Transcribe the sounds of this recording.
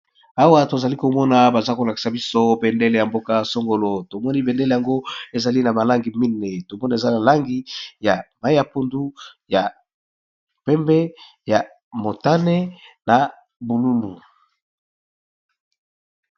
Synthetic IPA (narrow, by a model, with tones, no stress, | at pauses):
a˦wa˦to˨za˨li˦ko˨mɔ˦na˨ba˨za˦ko˨la˨ki̥˨sa˨bi˦so˦be˨nde˦le˨ja˨mbo˦ka˦so˦ŋɡo˨lo˨to˨mɔ˦ni˦be˨nde˦le˨ja˨ŋɡo˦e˨za˨li˦na˨ma˨la˦ŋɡi˨mi˦ne˨to˨mɔ˦na˨e˨za˦na˨la˦ŋɡi˦ja˨ma˨˦i˦ja˨po˦ndu˦ja˨ | pɛ˦mbɛ˦ | ja˨ | mo˨ta˦ne˦na˨ | bu˨lu˦lu˨